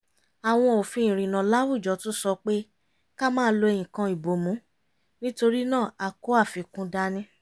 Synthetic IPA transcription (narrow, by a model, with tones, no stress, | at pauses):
a˨w̃ɔ̃˧o˨fĩ˧ĩ˨ɾ̃ĩ˨nã˨˦la˦wu˦˨d͡ʒɔ˨˦tũ˦sɔ˧k͡pe˦ | ka˦mãː˦lo˧e˧jĩ˨kã˧i˨bo˨mũ˨˦ | nĩ˦to˧ɾi˦nãː˦˨a˨ko˨˦a˦˨fi˨kũ˧˦da˧nĩ˦